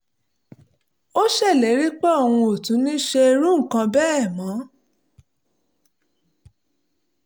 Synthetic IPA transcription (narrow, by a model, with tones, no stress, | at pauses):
o˦ʃɛ˦˨le˨˦ɾi˦k͡pɛ˦o˨w̃ũ˧o˨tũ˨˦nĩ˦ʃe˧e˧ɾũ˦ŋ̩˦˨kã˧bɛː˦ɛ˦˨mã˨˦